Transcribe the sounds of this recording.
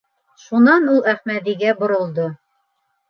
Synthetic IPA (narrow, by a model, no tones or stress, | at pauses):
ʃunɑnulˠæχmæd̪iɡæbŏɾŏlˠd̪o